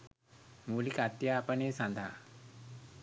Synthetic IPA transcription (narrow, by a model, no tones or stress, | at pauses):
mulikat̪japəɳesãnd̪ʱa̰